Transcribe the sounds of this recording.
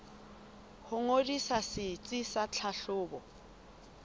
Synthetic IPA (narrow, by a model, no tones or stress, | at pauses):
hʊŋodisasɪt͡sʼisat͡ɬʰaɬʊːbɔ